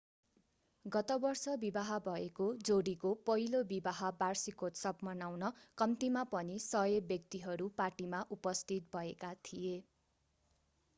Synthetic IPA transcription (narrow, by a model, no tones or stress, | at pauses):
ɡʌt̪ʌbʌrsʌbibaɦʌbʱʌekod͡zoɽikopʌɦilobibaɦʌbarsikotsʌpmʌnawnʌkʌmt̪imapʌnisʌjebjʌkt̪iɦʌɾupaʈimaʔupʌst̪ʰit̪̚bʱʌekat̪ʰije